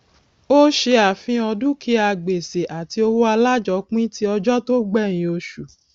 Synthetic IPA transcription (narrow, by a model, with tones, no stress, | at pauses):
o˦ʃe˧a˨fĩ˧ɔ˧dũ˦ki˧˦a˧˨ɡ͡be˨se˨ʔa˨ti˧o˧wo˦a˧la˦d͡ʒɔ˨˧˦k͡pĩ˦ti˦ɔ˧d͡ʒɔ˦to˦ɡ͡bɛ˦˨j̃ĩ˧o˧ʃu˨